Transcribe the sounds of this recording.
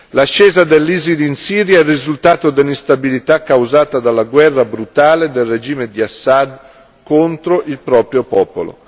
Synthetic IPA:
laʃːɛːzad̪elːizilinsiːɾjaɛrːizult̪aːt̪od̪elːist̪abilit̪akːawzaːt̪ad̪alːaɡwɛrːabɾut̪aːled̪elred͡ʒiːmed̪iasːad̪ | kont̪ɾoʔilpɾɔːpɾjopɔːpolo̰

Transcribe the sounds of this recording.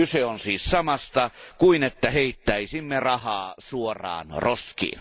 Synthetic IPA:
yseonsiːssɑmɑst̪ɑkuinet̪ːæheit̪ːæisimːerɑhɑːsuorˑɑ̰ːnroskḭːn

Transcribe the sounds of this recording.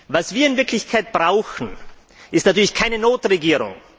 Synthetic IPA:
vasv̥iːɐɪnvɪɐkʰlɪçkʰaɪt̚b̥ʁaʊxn̩ | ʔɪstnatyɐlɪçkʰaɪnənoːtʁeɡiːʁʊ̰ŋ

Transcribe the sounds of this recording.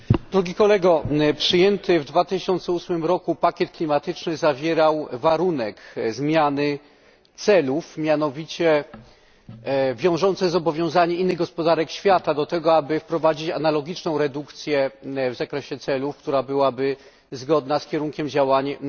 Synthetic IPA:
d̪ɾuɡʲikɔlɛɡɔpʂɘjɛnt̪ɘvd̪vat̪ɘɕɔnt̪sɛusmɘmɾɔkupakʲjɛt̪̚klʲimat̪ɘt͡ʂnɘzavʲjɛɾawvaɾunɛkzmʲjanɘ | t̪sɛlufmʲjanɔvʲit͡ɕɛ | vʲjɔ̃w̃ʐɔnt̪sɛzɔbɔvʲjɔ̃w̃zaɲɛinːɘɣɡɔspɔd̪aɾɛkɕfʲjat̪ad̪ɔt̪ɛɡɔabɘfpɾɔvad͡ʑit͡ɕanalɔɡʲit͡ʂnɔ̃w̃ɾɛd̪ukt̪sʲjɛvzakɾɛɕɛt̪sɛlufkt̪uɾabɘwabɘ | zɡɔd̪naskʲɛɾuŋkʲɛmd͡ʑawaɲ

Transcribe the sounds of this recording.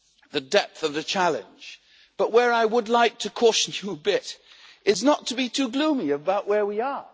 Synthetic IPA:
ðɨdɛp̚θʌvðɨt͡ʃʰælˠɨ̰̃nd͡ʒ | b̥ʌʔ̚wə˞aɪwədˡlaɪk̚tʰɨkʰɔʃn̩jɨːbɪɾɨznətʰəbitʰʉɡlũmiɨbaʊʔwə˞wiə˞

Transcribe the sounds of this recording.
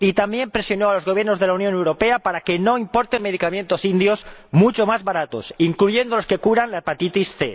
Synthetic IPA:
it̪ambje̞mpɾe̞sjo̞noalo̞zɣ̞o̞β̞je̞ɾno̞zðelaunjõne̞wɾo̞pe̞apaɾakeno̞impo̞ɾt̪eme̞ð̞ikamje̞nt̪o̞sind̪jo̞smut͡ʃo̞mazβaɾat̪o̞siŋkluʝe̞nd̪o̞lo̞ske̞kuɾanlaepat̪it̪isθe

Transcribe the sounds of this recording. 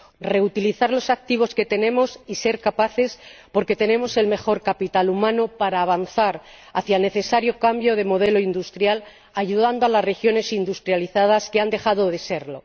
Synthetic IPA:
re̞ut̪iliθaɾlo̞sak̚t̪iβ̞o̞ske̞t̪e̞nẽ̞mo̞sise̞ɾkapaθe̞spo̞ɾke̞t̪e̞nẽ̞mo̞se̞lme̞xo̞ɾkapit̪alumãnopaɾaːβ̞anθaɾ | aθjaelne̞θe̞saɾjo̞kambjo̞ð̞e̞mo̞ð̞e̞lo̞ind̪ust̪ɾjal | aʝuðand̪oalasre̞xjo̞ne̞sind̪ust̪ɾjaliθað̞askeand̪e̞xaðo̞ðe̞se̞ɾlo̞̰

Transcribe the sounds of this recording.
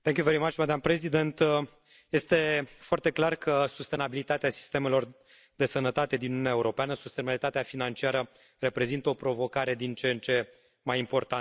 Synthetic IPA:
θɛ̃ŋkʲjuveɾimat͡ʃmad̪ampɾezid̪e̞nt̪ | je̞st̪e̞foart̪e̞klarkʰəsust̪e̞nabilit̪at̪easi̥st̪e̞me̞lo̞r | d̪e̞sənət̪at̪e̞d̪inununeaeuɾo̞peanəsust̪enabilit̪at̪eafinant͡ʃiaɾə | re̞pɾe̞zint̪əopɾo̞vo̞kaɾe̞d̪int͡ʃent͡ʃe̞ | majimpo̞rt̪a

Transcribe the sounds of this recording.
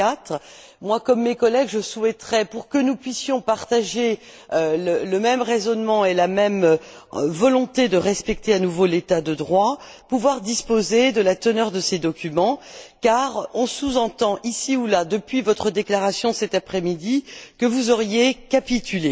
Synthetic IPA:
at̪χ | mwakɔmːekɔlɛɡʒəsuɛt̪χɛpuʁkənupɥisjɔ̃paʁt̪aʒe | ølələmɛmʁezɔnmɑ̃elamɛm | vɔlɔ̃t̪ed̪əʁɛspɛk̚t̪eanuvolet̪ad̪əd̪ʁwa | puvwaʁd̪ispozed̪əlat̪ənœʁd̪əsed̪ɔkʲymɑ̃kaʁɔ̃suzɑ̃t̪ɑ̃ʔisiulad̪əpɥivɔt̪χəd̪eklaʁasjɔ̃sɛt̪apχɛmid̪ikəvuzɔʁjekapit̪ʰyle

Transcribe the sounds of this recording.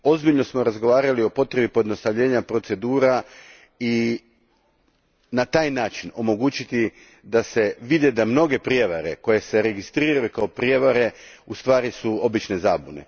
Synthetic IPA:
o̞zbiʎno̞smo̞ɾazɡo̞ʋaːɾalio̞po̞t̪ɾebipo̞jed̪no̞st̪aʋʎe̞ːɲapɾo̞t̪se̞d̪uːɾa | i | nat̪aːjnaːt͡ʃino̞mo̞ɡuːt͡ʃit̪i | d̪ase̞ʋid̪ed̪amno̞ɡe̞pɾjeʋaɾe̞ko̞je̞se̞ɾe̞ɡist̪ɾiːɾajukao̞pɾjeʋaɾe̞ust̪ʋaːɾisuo̞bit͡ʃne̞zaːbune̞̰

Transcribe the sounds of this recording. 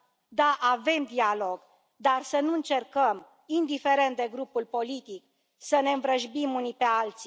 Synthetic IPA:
d̪aʔave̞md̪ialo̞ɡ | d̪arsənuɨnt͡ʃe̞rkəm | ind̪ife̞ɾe̞nt̪̚d̪e̞ɡɾupulpo̞lit̪ik̚ | səne̞ɨnvɾəʒbimunipe̞alt̪si̥

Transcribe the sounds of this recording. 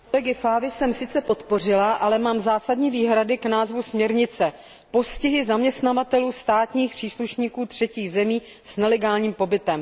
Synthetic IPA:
klɛɡɪfaːvɪsɛmsɪt͡sɛpo̞t̪po̞r̝ɪlaʔalɛmaːmzaːsadɲiːviːɦɾadɪknaːzvusmɲɛɾɲɪt͡sɛ | po̞scɪɦɪzamɲɛst̪navat̪ɛluːst̪aːt̪ɲiːxpr̥iːsluʃɲiːkuːt̪r̝̥ɛciːɣzɛmiː | snɛlɛɡaːlɲiːmpo̞bɪt̪ɛm

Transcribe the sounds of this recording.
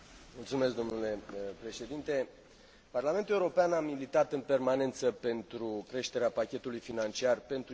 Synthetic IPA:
mult̪sume̞s̬k̚d̪o̞mnule̞pɾe̞ʃe̞d̪int̪e̞ | parlame̞nt̪uleuɾo̞peanamilit̪at̪ɨnpe̞rmane̞nt̪səpe̞nt̪ɾukɾe̞ʃt̪e̞ɾeapakʲe̞t̪ulujfinant͡ʃiarpe̞nt̪ɾu

